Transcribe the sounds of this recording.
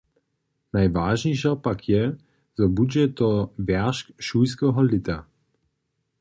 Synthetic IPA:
najvaːʒɲɛʃɛpakʰjɛ | zɔbud͡ʒɛt̪ɔvɛʁʃkʃujskɛɦɔlɪt̪a

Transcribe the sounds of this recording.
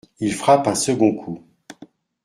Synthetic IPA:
ilfχapɛ̃səɡɔ̃kʰu

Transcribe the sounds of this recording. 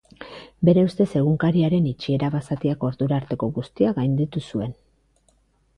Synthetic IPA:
be̞ɾe̞ust̪e̞se̞ɣ̞uŋkaɾiaɾe̞nit͡ʃie̞ɾaβasat̪iako̞ɾðuɾaːɾt̪e̞ko̞ɣust̪iaɣajnd̪it̪usue̞n

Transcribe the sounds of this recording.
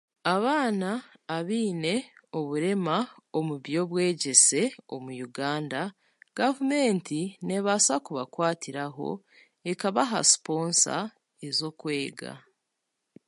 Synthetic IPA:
aβaːnaːβiːne̞o̞βuɾe̞mao̞muβjo̞βwe̞ːɟe̞se̞o̞mujuɡaːnda | ɡ̥avume̞ːntine̞βasakuβakwaːtiɾaɦo̞̰ | ekaβaɦa̰si̥po̞ːnsa̰ | e̞zo̞kwe̞ːɡa̰

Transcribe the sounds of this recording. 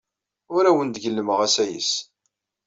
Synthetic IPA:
ʊɾæwənd̪ɡəlːəməʁæsæjə̰s

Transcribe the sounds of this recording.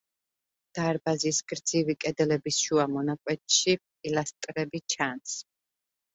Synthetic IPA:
d̪̥aɾbazisɡɾd̪z̥ivikʼɛd̪lɛbisʃuamɔnakʼwɛt̪ʼʃipʼilast̪ʼɾɛbit͡ʃʰans

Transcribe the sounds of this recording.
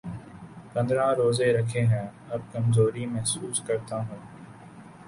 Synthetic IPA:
pɐ̃nd̪ɾãːɾoːzeɾɐkʰeɦɛ̃ː | ɐb̚kɐmzoːɾimɛɦsuːskɐɾt̪aɦũː

